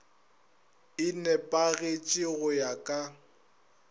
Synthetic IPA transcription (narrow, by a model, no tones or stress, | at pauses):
ɪnɛpʼaɣet͡ʃʼɪɣʊjakʼa